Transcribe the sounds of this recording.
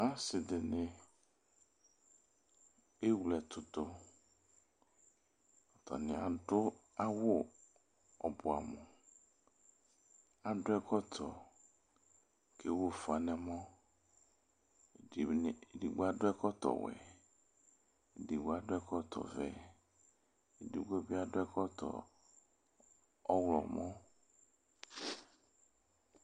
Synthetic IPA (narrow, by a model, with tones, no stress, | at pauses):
a˦sɪ˨dɪ˨nɪ˦ | e˦wlɛ˨t̪ʰʊ˦t̪ʊ˦ | ɔ˨t̪ɔ̰˨nɪ̃˨a˨ɖʊ˦a˦wʊ˦ | ɔ˨bʊ˨a̰˨mʊ̰˨ | a˨ɖʊ˦ɛ˦kɔ˦t̪ʰɔ̰˨ | kʰe˦wo˦fa˨nɛ̃˨mɔ̃˦˨ | di˨ɡ͡ba˦ɖʊ˦ɛ˦kɔ˦t̪ɔ̰˨wɛ̰˨ | di˨ɡ͡bo˦a˦ɖo˦ɛ˦kɔ˦t̪ɔ̰˨vɛ̰˦˨ | di˨ɡ͡bo˦bi˦a˦˨ɖo˦ɛ˦kɔ˦t̪ɔ̰˨ | ɔ˦wlɔ˨mɔ̃˦